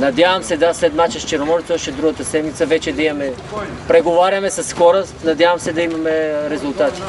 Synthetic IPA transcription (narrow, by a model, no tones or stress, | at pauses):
nɐd̪ʲjavɐmsɛd̪aslɛd̪mat͡ʃɛst͡ʃɛɾomɔɾit̪ɔʃt̪ɛd̪ɾuɡət̪ɐsɛd̪mit̪səvɛt͡ʃɛd̪ɐimɐmɛ | pɾɛɡovaɾʲjɐmɛsɐsxɔɾəsnɐd̪ʲjavɐmsɛd̪ɐimɐmɛɾɛzulˠt̪at̪i̥